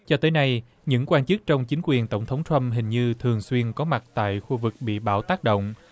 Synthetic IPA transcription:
t͡ɕɔ˧t̪əː˨˦jna˧j | ɲɨ̰˧˥ŋkwaː˧nt͡ɕɨ˦˥k̚t͡ɕɔ˧wŋ͡mt͡ɕï˨˦ŋ̟kwi˨˩ənt̪ə˧˩wŋ͡mt̪ʰə˨˦wŋ͡mt̪ʰɹa˧mɦï˨˩ŋ̟ɲɨ˧t̪ʰɨ˨˩əŋswi˧ənkɔ˨˦ma˨˩t̚t̪a̰ː˧˨jxu˧vɨ˨˩k̚ɓḭ˧˨ɓaː˧˩wt̪aː˦˥k̚ɗo̰˧˨wŋ͡m

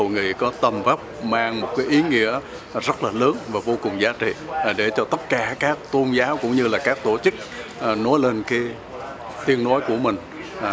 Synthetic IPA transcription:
o˨˩ŋi˨˩kɔ˨˦t̪ə˨˩mvə˦˥p̚maː˧ŋmo˨˩kaː˨˦jʔi˨˦ŋḭ˧˥ə˩ | zə˦˥t̚laː˨˩lɨ˨˦əŋvaː˨˩vo˧kʊ˨˩ŋ͡mzaː˨˦t͡ɕḭ˧˨˩ɗe˧˩t͡ɕɔ˧t̪ə˦˥t̚kaː˧˩kaː˦˥k̚t̪o˧nzaː˨˦wkʊ̰˧˥wŋ͡mɲɨ˧laː˨˩kaː˦˥k̚t̪o˧˩t͡ɕɨ˦˥k̚ːno˨˦jle˧nkaː˨˦ | t̪i˧ənnɔ˨˦jku˧˩əmï˨˩ŋ̟˨

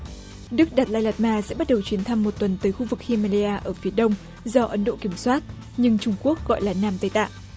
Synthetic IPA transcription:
ɗɨ˦˥k̚ɗaː˨˩t̚laː˧jla˨˩t̚maː˧sɛ̰˧˥ɓa˦˥t̚ɗə˨˩wt͡ɕwi˨˦ənt̪ʰa˧mːo˨˩t̚t̪wə˨˩nt̪əː˨˦jxu˧vɨ˨˩k̚hi˧maː˧li˧aː˧ʔəː˧˩fi˨˦ɗə˧wŋ͡m | zɔ˧ʔə˨˦nɗo̰˧˨ki˧˩əmswaː˦˥t̚ | ɲɨ˧ŋt͡ɕʊ˧ŋ͡mku˦˥ək̚ɣɔ̰˧˨jlaː˨˩naː˧mt̪ə˧˩jt̪a̰ː˧˨ʔ

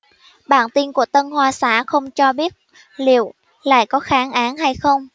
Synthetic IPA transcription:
ɓaː˧˩nt̪i˧nku˧˩ət̪ə˧nhwaː˧saː˧˩xə˧wŋ͡mt͡ɕɔ˧ɓi˦˥ət̚ | lḭ˧˨əw | la̰ː˧˨jkɔ˨˦xaː˨˦ŋʔaː˨˦nɦa˧jxə˧wŋ͡m

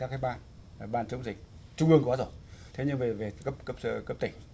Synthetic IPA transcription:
aː˦˥k̚aː˨˦ɓaː˧˨n˨˩ | ɓaː˧˨nt͡ɕɨ˨˦əŋzï˨˩k̟̚ | t͡ɕʊ˧ŋ͡mʔɨ˧əŋkɔ˨˦zo˧˩jt̪ʰe˨˦ɲɨ˧ŋve˨˩ve˨˩kə˦˥p̚kə˦˥p̚sə˧kə˦˥p̚t̪ï˧˩ŋ̟

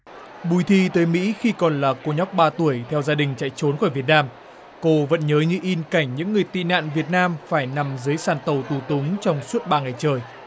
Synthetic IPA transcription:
ɓu˨˧˩jt̪ʰi˧t̪əː˨˦jmḭ˧˥xi˧kɔ˨˩nlaː˨˩ko˧ɲɔ˦˥wk͡p̚ɓaː˧t̪u˧˩əjt̪ʰɛ˧wzaː˧ɗï˨˩ŋ̟t͡ɕa̰ː˧˨jt͡ɕo˨˦nkɔː˧˩vi˨˩ət̚naː˧m | ko˧və̰˧˥nɲəː˨˦ɲɨ̰˧ʔi˧nka˧˩jŋ̟ɲɨ̰˧˥ŋːɨ˨˩əjt̪ḭ˧˨na̰ː˧˨nvi˨˩ət̚naː˧mfaː˧˩jna˨˩mzɨː˨˦jsaː˧˩nt̪ə˨˩wt̪u˨˩t̪ʊ˨˦ŋ͡mt͡ɕɔ˧wŋ͡msu˦˥ət̚ɓaː˧ŋa˨˩jt͡ɕəː˨˩j

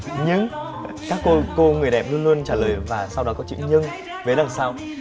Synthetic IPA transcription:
ɲɨ˧ŋ | kaː˦˥kːo˧ko˧ŋɨ˨˩əjɗɛ̰˨˩p̚lu˧ənlu˧ənt͡ɕaː˧˩ləː˨˩jvaː˨˩sa˧wɗɔ˨˦kɔ˨˦t͡ɕḭ˧˥wɲɨ˧ŋ | ve˨˦la˨˩ŋsaː˧w

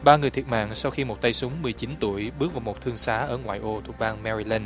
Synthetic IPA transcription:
ɓaː˧ŋɨ˨˩ət̪ʰət̚ma̰ː˧˨ŋsa˧wxi˧mo˨˩t̚t̪ə˧jsʊ˨˦ŋ͡mmɨ˨˩əjt͡ɕi˨˦nt̪u˧˩əjɓɨ˦˥k̚vaː˨˩wmo˨˩t̚t̪ʰɨ˧əŋsaː˨˦ʔəː˧˩ŋwa̰ː˧˨jʔo˧t̪ʰṵ˨˩k̚ɓaː˧ŋmɛ˧ɾi˧lɛ˧n

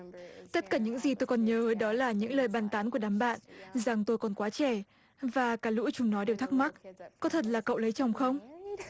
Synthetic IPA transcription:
t̪ə˦˥t̚kaː˧˩ɲɨ̰˧˥ŋzi˨˩t̪o˧jkɔ˨˩nɲəː˨˦ə˨˦jɗɔ˨˦laː˨˩ɲɨ̰˧˥ŋləː˨˩jɓaː˧˩nt̪aː˨˦nku˧˩əɗaː˨˩mɓa̰ː˧˨nza˨˩ŋt̪o˧jkɔ˨˩nkwaː˨˦t͡ɕɛ˧˩ | vaː˨˩kaː˨˦jlṵ˧˥t͡ɕʊ˨˦ŋ͡mnɔ˨˦ɗe˨˩wt̪ʰa˦˥k̚ma˦˥t̚kɔ˨˦t̪ʰə˨˩t̬̚laː˨˩kə̰˧˨wlə˨˦jt͡ɕɔ˨˩wŋ͡mxə˧wŋ͡m

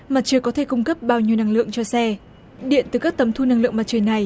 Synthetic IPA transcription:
maː˨˩t̚t͡ɕə˨˩jkɔ˨˦t̪ʰe˧˩kʊ˧ŋ͡mkə˦˥p̚ɓaː˧wɲi˧əwna˧ŋlɨ̰˧˨əŋt͡ɕɔ˧sɛ˧ | ɗḭ˧˨ənt̪ɨ˨˩kaː˦˥k̚t̪ə˨˦mt̪ʰu˧na˧ŋlɨ̰˧˨əŋma˨˩t͡ɕə˨˩jna˨˩j

